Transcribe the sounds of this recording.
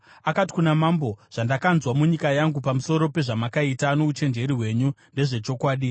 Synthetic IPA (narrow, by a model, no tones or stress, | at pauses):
akati̥kunamambo̞ʐ̥andakanzwamuɲikajaŋɡupamuso̞ɾo̞pe̞ʐamakaitanout͡ʃe̞nd͡ʒe̞ɾiɦwe̞ːɲunde̞ʐe̞t͡ʃo̞kwaːɗi